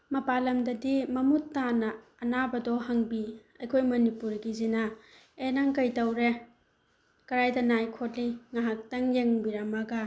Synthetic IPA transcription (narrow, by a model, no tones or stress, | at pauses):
mɐpalɐmdɐdimɐmutːanɐː | nabɐdohɐŋbiɐjkʰojmɐnipuɾɡizina | enaŋkɐjtɐwɾe | kɐɾajdɐnajkʰotliŋaɦak̚tɐŋjeŋbiɾɐmɐɡɐ